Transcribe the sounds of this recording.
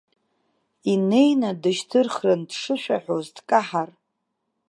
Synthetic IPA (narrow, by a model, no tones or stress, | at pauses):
ine̞jnadɨʃtʰɨrχrɨndʂɨʃᶣaħozdkʼaħar